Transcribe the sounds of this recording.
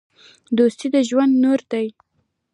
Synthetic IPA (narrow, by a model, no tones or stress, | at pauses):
d̪ost̪id̪əʒwand̪noɾd̪aj